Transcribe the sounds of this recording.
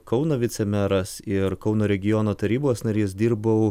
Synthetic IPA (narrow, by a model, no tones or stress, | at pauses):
kɒʊnoːʋʲɪt̪sʲɛmʲæɾɐsɪɾkɒʊnoːɾʲɛɡʲɪjoːnoːt̪ɐɾʲiːboːsnɐɾʲeːsd̪ʲiːɾbɐʊ